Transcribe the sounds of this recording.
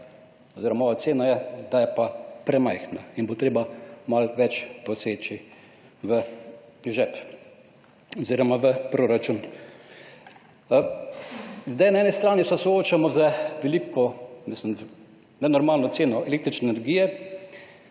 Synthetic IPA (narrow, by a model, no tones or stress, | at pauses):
ɔziːɾɔmaɔʋat̪seːnajɛd̪ajɛpapɾɛmajxnainbot̪ɾeːbamalʋɛt͡ʃposeːt͡ʃi | ʋə | ʒɛp | oziːɾɔmaʋəpɾoɾat͡ʃun | zd̪ajnaɛːnist̪ɾaːnisɛsɔoːt͡ʃamɔzəʋɛlikɔmislim | nɛnɔɾmaːlnɔt̪seːnɔɛleːk̚t̪ɾit͡ʃnɛnɛɾɡiːjɛ